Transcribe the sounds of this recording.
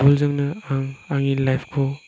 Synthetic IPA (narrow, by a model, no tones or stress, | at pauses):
ulzɐŋnɐaŋaŋilajpʰkʰo